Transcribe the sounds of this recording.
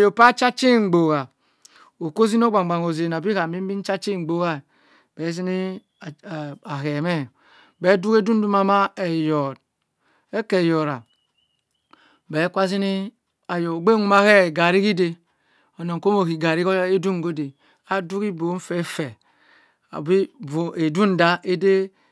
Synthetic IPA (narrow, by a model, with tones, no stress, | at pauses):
a˨jo˨pa˦t͡ʃa˦t͡ʃi˦ŋ͡m̩˨ɡ͡bo˨ɣa˨ | o˨ko˦zi˦n˦o˦ɡ͡ba˨ɡ͡ba˨ŋo˨ze˨n˨a˨bi˦ka˨bi˦m˦bi˦n˦t͡ʃa˦t͡ʃi˦ŋ͡m̩˨ɡ͡bo˦ɣa˦˨ | be˨˦si˦ni˦˨ | a˨ɦe˨me˦˨ | be˦du˦ke˦du˦n˦du˦ma˦ma˦e˨jɔ˨d | e˦ke˨jo˨ɾa˨ | be˨˦kʷa˦s̬zi˦ni˦ | a˨jo˨ɡ͡be˦ŋu˦ma˦he˦˨ɡa˨ɾi˦ki˦de˦ | o˨no˨ŋ˨ko˦mo˨ki˨ɡa˨ɾi˦o˦e˦du˦ŋ˨ɡo˦de˨ | a˦du˦ki˦bo˨˦m̩˦fe˦fe˨ | a̰˨bi˦vo˨e˨du˦n̩˨da˦ʔe˦de˦